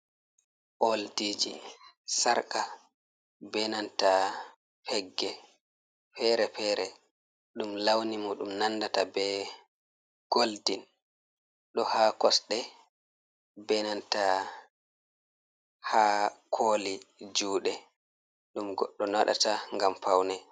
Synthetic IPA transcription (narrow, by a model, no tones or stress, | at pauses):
ʔoldid͡ʒḭ | saɾka | bɛnanta | pʰɛɡːɛ | pɛɾɛpɛɾɛ | ɗumlawnimuɗumnanːdatabɛ | ɡ̥oldin | ɗɔhakɔsɗɛ | bɛnanta | hakʰoːlid͡ʒuːɗɛ | ɗumɡɔɗːɔnaɗa̰taŋɡampawnɛ